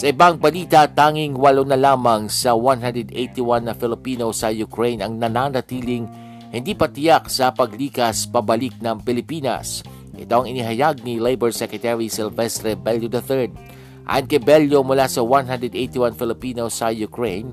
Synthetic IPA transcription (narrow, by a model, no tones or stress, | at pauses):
sɐʔɪbaŋbɐlit̪at̪aːŋɪŋwɐlonɐlaːmɐŋsɐwanɦand̪ɹɛd̪ejt̪iwanːɐfɪlɪpiːnosɐjʊkɾejnɐŋnɐnanɐt̪iːlɪŋ | hɪnd̪ipɐt̪ɪjak̚sɐpɐɡliːkɐspɐbɐlɪk̚nɐŋpɪlɪpiːnɐ̰s | ʔɪ̰t̪oʔɐŋɪniɦɐjaɡ̚nilejbɛɹsɛkɹɛt̪ɛɹisɪlvɛst̪ɾɛbɛljod̪ɐθɛɹd̪̚ | ʔa̰ːjonkɐjbɛljomʊlasɐwanɦãnd̪ɹɛd̪ʔejt̪iwanfɪlɪpiːnosːɐjʊkɹejn